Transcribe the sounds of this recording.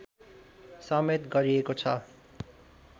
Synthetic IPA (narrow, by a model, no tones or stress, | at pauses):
sʌmet̪ɡʌɾiekot͡sʰʌ